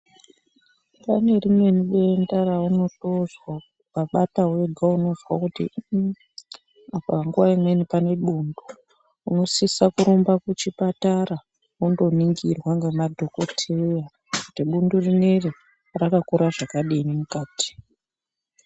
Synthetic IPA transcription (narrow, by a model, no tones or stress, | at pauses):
pane̞rimwe̞niɓendarauno̞to̞zwa | paɓatawe̞ɡʱauno̞zwakutḭ | apaaŋɡuwaimwe̞nipane̞ɓuːndu | uno̞sisakuɾombakut͡ʃipataɾa | undo̞niŋɡirwaŋɡemadʱo̞kotʰeja | kutiɓundurineri | rakakuɾaʐakaɗiːnimukaːti̥